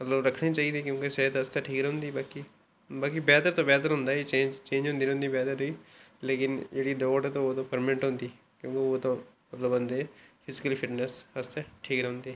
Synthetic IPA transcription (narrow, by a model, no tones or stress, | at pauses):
mət̪ləbɾəkʰniːt͡ʃaːiːd̪eːkjõːkesəɦəd̪əst̪ɛːʈʰiːkɾɛɦʊ̃nd̪iːbaːkiː | baːkibɛːt̪əɾt̪õːbɛːt̪̬əɾɦʊ̃nd̪aːiːt͡ʃẽːd͡ʒt͡ʃẽːɲd͡ʒɦʊnd̪iːñʊ̃nd̪iːbɛːt̪əɾoiːleːkɪnd͡ʒeːɽiːd̪ɔːʈɛːt̪õːoːt̪õːpəɾmɪ̃ɳʈɦʊ̃nd̪iː | kjõːkeoːt̪õːmət̪ləbənd̪epʰɪzɪkəlːpʰɪʈnɛsəst̪ɛʈʰiːkɾɛɦʊ̃nd̪iː